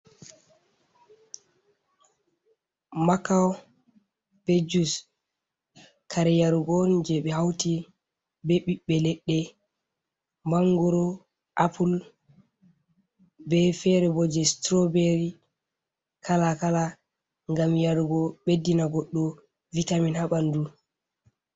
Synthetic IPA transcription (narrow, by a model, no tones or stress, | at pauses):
makaw | b̥ed͡ʒus | kʰaɾɛjaɾuɡɔnd͡ʒɛɓɛɦawti | bɛɓiɓːɛlɛɗːɛ | maŋɡɔɾɔ | ʔapul | bɛfɛɾɛbɔd͡ʒɛstɾɔbeɾi | kʰalakala | ŋɡamjaɾuɡɔɓedːinaɡɔɗːɔ | vitaminhaɓandu